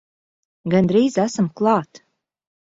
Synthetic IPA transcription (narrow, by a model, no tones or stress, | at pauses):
ɡand̪ɾiːzæsamklˠɑːt̪